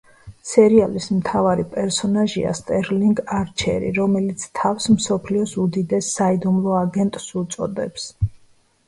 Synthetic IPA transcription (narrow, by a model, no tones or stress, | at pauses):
sɛɾialismt̪ʰavaɾipʼɛɾsɔnaʒḭa̰st̪ʼɛɾliŋɡaɾt͡ʃʰɛ̰ɾḭɾɔmɛlit̪sʰt̪ʰafsmsɔpʰliɔsud̪id̪ɛsːaid̪umlˠɔaɡɛnt̪ʼsut̪sʼɔ̰d̪ɛps